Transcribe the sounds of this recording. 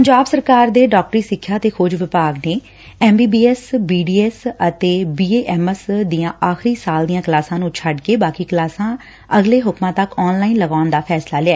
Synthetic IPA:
ppəɲd͡ʒaːbsəɾkaːɾd̪eːɖɔːk̚ʈɾiːsɪkʰːjaːt̪eːkʰʊd͡ʒʋɪpaːɡneː | ɛːmbiːbiːɛsbiːɖiːɛːsət̪eːbiːeːʔɛːməsd̪ɪjãːʔaːxɾiːsaːld̪ijãːkəlaːsãːnũːt͡ʃʰəɖkeːbaːkiːkəlaːsãː | əɡleːɦʊkmãːt̪əkɔːnlaːiːnləɡaːnd̪aːpʰɛːslaːlɪaɛː

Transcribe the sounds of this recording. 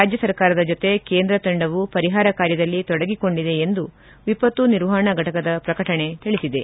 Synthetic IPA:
ɾaːd͡ʒjɐsɐɾkaːɾɐd̪ɐd͡ʒot̪e̞keːnd̪ɾɐt̪ɐɳɖɐʋupɐɾiɦaːɾɐkaːɾjɐd̪ɐlːit̪ɔɽɐɡiko̞ɳɖid̪e̞ːnd̪u | ʋipɐt̪uniɾʋaːɳɐɡɐʈɐkɐd̪ɐpɾɐkɐʈɐɳe̞t̪iɭisid̪e̞

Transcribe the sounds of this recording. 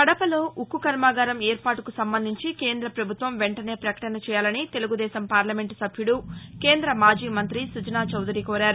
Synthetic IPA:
kɐɽɐpɐlo̞ːʔukːukɐɾmaːɡɐːɾɐmeːɾpaːʈukusɐmbɐnd̪ʱiɲt͡ʃike̞ːnd̪ɾɐpɾɐbʱut̪ʋɐmʋeɳʈɐne̞ːpɾɐkɐ̥ʈɐnɐt͡ʃɛːjaːlɐnit̪e̞luɡud̪ɛːsɐmpaːɾlɐme̞ɳʈsɐbʱjuɽuke̞ːnd̪ɾɐmaːd͡ʒiːmɐnt̪ɾisud͡ʒɐnaːt͡ʃɐwd̪uɾiːkoːɾaːɾu

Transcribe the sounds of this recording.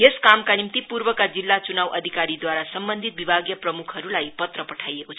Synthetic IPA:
jeskamkanimt̪ipuɾbʌkad͡zilːat͡sunawʔʌd̪ʱikaɾid̪waɾasʌmbʌnd̪ʱit̪̚bibʱaɡjʌprʌmukʰɦʌɾulajpʌt̪rʌpʌʈʰajekot͡sʰ

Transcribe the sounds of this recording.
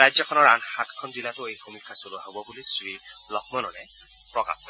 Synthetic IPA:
ajzɔkʰɔnɔɹanxatkʰɔnzilatʊejbʰomikʰːasoluaɦobɔbulisɹi | lɔk̚ʰmɔnɔnɛ | pɹɔka̰p̚ʰɔ

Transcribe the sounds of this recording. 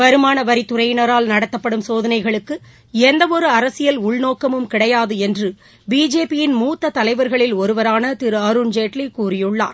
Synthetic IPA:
ʋɐɾɯmaːnɐʋɐɾɪt̪ːʊɾɐjɪnɐɾaːlnɐɽɐt̪ːɐpːɐɽɯmsoːðɐnɐɪɣɐɭɯkːɯ | ɛnd̪ɐʋɔɾɯɐɾɐsɪjɐlʊɭnoːkːɐmɯmkɪɽɐjaːðɯɛndrɯ | biːd͡ʒeːpɪjɪnmuːt̪ːɐt̪ɐlɐɪʋɐɾɣɐɭɪlɔɾɯʋɐɾaːnɐt̪ɪɾɯɐɾund͡ʒeːʈlikuːrɪjɯɭːa̰ːɾ

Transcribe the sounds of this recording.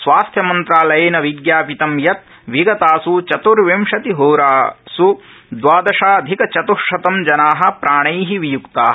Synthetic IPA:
sʋaːst̪ʰjɐmɐnt̪ɾaːlɐjeːnɐʋiɡjaːpit̪ɐmjɐt̪̚ | ʋiɡɐt̪aːsut͡ʃɐt̪uɾʋimʂɐt̪iɦoːɾaːsu | d̪ʋaːd̪ɐʃaːɐd̪ʱikɐt͡ʃɐt̪uɾʃɐt̪ɐmd͡ʒɐnaːɦɐ̆pɾaːɳɐjɦiʋijukt̪aːɦ

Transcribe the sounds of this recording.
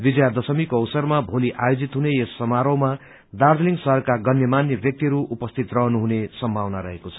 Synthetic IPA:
bid͡zjad̪ʌsʌmikoʌwsʌrmabʱoliʔajod͡zit̪ɦunejesːʌmaɾʌwma | d̪ard̪liŋɡsʌɦʌrkaɡʌnjʌmanjʌbjʌk̚t̪iɾuːpʌst̪ʰit̪rʌɦʌnuɦunesʌmbʱawnaɾʌɦekot͡sʰʌ̥

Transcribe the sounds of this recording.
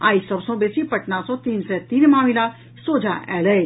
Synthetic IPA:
aːisɐbsɔ̃beːsipɐʈnasɔ̃t̪iːnsɛt̪iːnmaːmila | soːd͡ʒʱaʔɛːlɛ

